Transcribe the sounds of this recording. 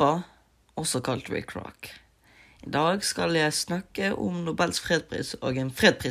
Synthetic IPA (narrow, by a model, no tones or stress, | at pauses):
ɑ | ɔsɔkʰɑlt̪ɹɪ̰kʰɹɑ̰k | ɪd̪ɑːɡskɑljæɪsnɑkəʔʊ̰mnʊbɛlsfʁeːd̪̚pʰʁḭːso̰ːɡɛːnfʁeːd̪̚pʰʁiː